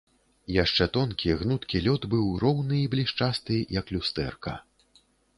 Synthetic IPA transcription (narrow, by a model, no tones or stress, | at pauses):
jaʂt͡ʂɛt̪ɔnkʲiɣnut̪kʲilʲɔd̪bɨwrɔwnɨːblʲiʂt͡ʂast̪ɨjɐklʲust̪ɛ̰rkɐ̰